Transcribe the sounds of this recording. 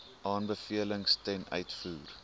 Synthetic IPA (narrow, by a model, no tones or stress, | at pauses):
ʔɑːnbəfiələŋstɛnœ̰ɥtfuːr